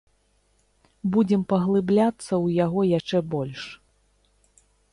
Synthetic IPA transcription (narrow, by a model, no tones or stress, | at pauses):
bud͡zʲɛmpɐɣlˠɨblʲat̪sːɐwjaɣɔjaʂt͡ʂɛbɔlʲʂ